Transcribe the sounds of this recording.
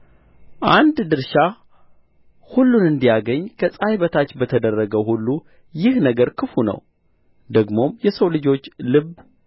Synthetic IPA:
ʔand̪d̪ɨɾʃa | hulːunɨnd̪ijaɡəɲːkʰəsʼajbət̪ʰat͡ʃːbət̪ʰəd̪ərːəɡəwhulːu | jɪhnəɡəɾkʰɨfunə̰w | d̪əɡmo̞mjɛsəwlɨd͡ʒo̞t͡ʃːlɨβ

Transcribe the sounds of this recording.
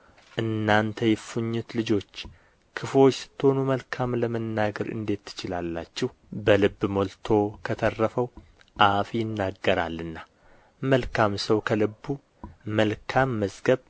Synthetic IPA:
ʔɨnːant̪ʰəjɪfuɲːut̪lɨd͡ʒo̞t͡ʃː | kʰɨfwo̞t͡ʃːsɨ̥t̪ʰːo̞numəlkʰamləmənːaɡəɾʔɨ̰nd̪e̞t̪ːɨ̥t͡ʃɪlalːa̰t͡ʃːɛh | bəlɨbːmolt̪ʰo̞kʰət̪ʰərːəfəw | ʔafjɪnːaɡːəɾa̰lːɨnːa | məlkʰamsəwkʰəlɨbːu | məlkʰamːəzɡəβ

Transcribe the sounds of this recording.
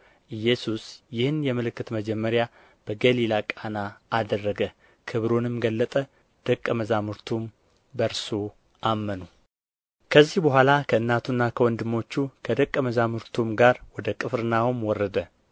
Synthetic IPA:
ʔɨjːɛsusjɪhɨnjɛmɨlɨkːɨt̪məd͡ʒɛmːəɾja | b̥əɡəlilakʼanaːd̪ərːəɡə | kʰɨβɾonɨmɡəlːət̪ʼə | d̪̥əkʼːəməzamɨɾt̪ʰum | bəɾso | ʔamːənu | kʰəzːihbəɦʷalakʰəɨnːat̪ʰunːakʰəwɔnd̪ɨmːo̞t͡ʃːukʰəd̪əkʼːəməzamɨɾt̪ʰumɡaɾwɔd̪əkʼɨfɾɨnawumwɔrːəd̪ə

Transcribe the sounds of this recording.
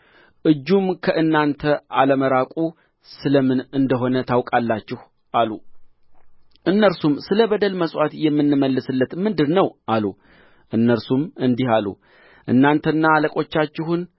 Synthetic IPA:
ʔɨd͡ʒːumkʰəʔɨnːant̪ʰəʔaləməɾakʼu | sɨləmɨnɨnd̪əɦo̞nət̪ʰawkʼalːat͡ʃːɪh | ʔalu | ʔɨnːəɾsumsɨləbəd̪əlməsʼwat̪jɛmːɨnːɨməlːɨsɨlːət̪mɨnd̪ɨdnəwʔalu | ʔɨnːəɾsumɨnd̪ihalṵ | ʔɨnːant̪ʰənːaːləkʼo̞t͡ʃːat͡ʃːɪɦun

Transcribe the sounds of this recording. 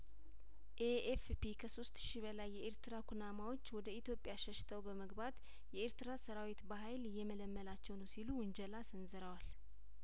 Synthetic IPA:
ʔeefpikʰəso̞st̪ʃibəlajːɛʔeɾt̪ɨɾakʰunamawo̞t͡ʃːwɔd̪əit̪ʰjo̞pʼjaʃɛʃːɪ̥t̪ʰəwbəməɡbat̪ | jɛeɾt̪ɨɾasəɾawit̪bəɦajlɪjːɛmələmːəlat͡ʃːɛwnəsiluwʊnd͡ʒɛlasɨnzɨɾəwal

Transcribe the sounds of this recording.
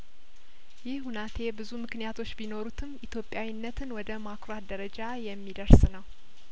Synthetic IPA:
jɪhhunat̪ʰe̞bɨzumɨknijat̪ʰo̞t͡ʃːbino̞ɾut̪ʰɨmʔit̪ʰjo̞pʼːjawinːət̪ʰɨnwɔd̪əmakoat̪̚d̪əɾəd͡ʒajɛmːid̪əɾsnəw

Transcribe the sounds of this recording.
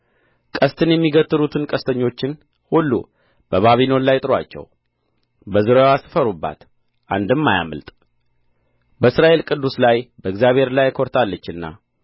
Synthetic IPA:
kʼəst̪ʰɨnjɛmːiɡət̪ʼːɨlut̪ʰɨnkʼəst̪ʰəɲːo̞t͡ʃːɪn | hulːṵ | b̥əβaβino̞nlajt̪ʼɨɾa̰t͡ʃːɛ̰w | bəzɨɾowasɨ̥fəɾubːa̰t̪ | ʔa̰nd̪ɨmːaja̰mə̰lt̪ʼ | bəɨsɾaʔe̞lkʼɨd̪ːuslajbəɨɡzjaβhe̞ɾlajkʰo̞ɾt̪ʰalːət͡ʃːɨnːa̰

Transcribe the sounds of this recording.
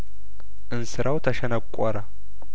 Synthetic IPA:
ʔɨnsɨɾʔawt̪ʰəʃɛnəkʷʼːɔɾa

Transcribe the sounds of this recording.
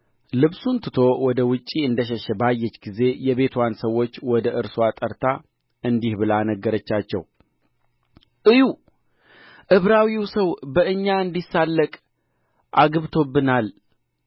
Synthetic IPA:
lɨβsunt̪ʰɨt̪ʰo̞wɔd̪əwʊt͡ʃʼiɨnd̪əʃ̬ɛʃɛbajːɛt͡ʃːɡize̞jɛβe̞t̪ʰwansəwːo̞t͡ʃːwɔd̪əʔɨɾsuat̪ʼəɾt̪ʰa | ɨnd̪ihbɨlanəɡːəɾət͡ʃːat͡ʃːɛ̰w | ʔɨju | ʔɨβɾawiwsəwbəɨɲːaɨnd̪isːalːəkʼ | ʔaɡɨβt̪ʰo̞bːɨnal

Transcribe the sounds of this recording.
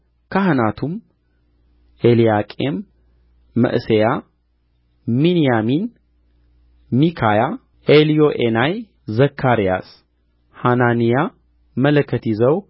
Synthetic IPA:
kʰahɨnat̪ʰum | ʔelijakʼemː | ə̰ʔɨseja | minijamin | mikʰaja | ʔelijoʔenaj | zəkʰːaɾija̰s | hananija | mələkʰːət̪ʰizəw

